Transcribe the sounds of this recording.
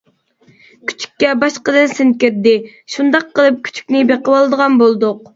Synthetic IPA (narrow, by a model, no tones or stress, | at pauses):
kʲʰy̥t͡ʃʰy̥kʲːɛbɑʃqəd̪ɨnsɪnt̪̚kʲeɾd̪ɪ | ʃund̪ɑqːəlˠɨp̚kʲʰy̥t͡ʃʰy̥kʲnɪbeqəwɑlˠd̪əʁɑnbolˠd̪ʊq̚